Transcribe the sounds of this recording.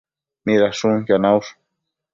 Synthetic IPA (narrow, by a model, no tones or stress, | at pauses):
miðasũŋcanaws